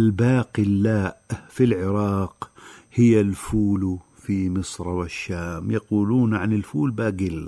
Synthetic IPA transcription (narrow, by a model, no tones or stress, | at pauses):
ʔalbaːqilːaːʔfilʕɪɾˤɑːqhɪjːalfuːlu | fimɪsˤɾˤwɪʃːaːmjaquːluːnʕanɪlfuːlbaːɡɪl